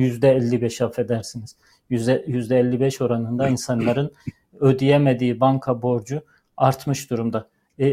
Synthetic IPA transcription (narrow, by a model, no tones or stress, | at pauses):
jyzd̪ɛɛlʲːibɛʃafed̪æɾsiniz̥ | ɛjyzd̪ɛːlʲːibɛʃo̞ɾanɯnd̪ainsanlˠaɾɯn | ød̪ijemed̪iːbaŋkʰabo̞ɾd͡ʒu | aɾt̪ʰmɯʃd̪uɾumd̪a